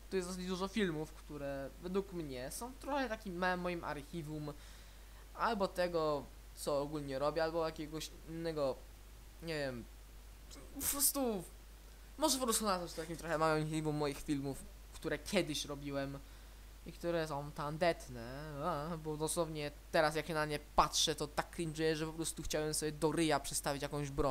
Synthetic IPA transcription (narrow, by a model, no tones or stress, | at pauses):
t̪ɔjɛsd̪ɔs̬d͡ʑd̪uʐɔfʲilmufkt̪uɾɛvɛd̪wukmɲɛsɔ̃w̃t̪ɾɔxɛt̪akʲimːɛmːɔjimʔa̰ɾxʲivum | albɔt̪ɛɡɔ | t̪sɔːɡulɲɛɾɔbʲjɛalbɔjakʲɛɡɔɕ | inːɛɡɔ | ɲɛvʲjɛm | pɔpɾɔst̪u | mɔʐɛpɔpɾɔst̪unaat̪ɔst̪ɔt̪ak̬ʲimt̪ɾɔxɛmajɔ̃mxʲivumːɔjixfʲilmuf | kt̪uɾɛkʲjɛd̪ɘɕɾɔbʲiwɛm | ikt̪uɾɛsɔ̃w̃t̪and̪ɛt̪nɛabɔd̪ɔswɔvɲɛt̪ɛɾasjakɕɛnamɲɛpatʂɛt̪ɔt̪akːɾʲinʐɘjɛʐɛpɔpɾɔst̪uxt͡ɕawɛmsɔbjɛd̪ɔɾɘjapʂɛt̪st̪avʲit͡ɕjakɔ̃w̃ʑbɾɔ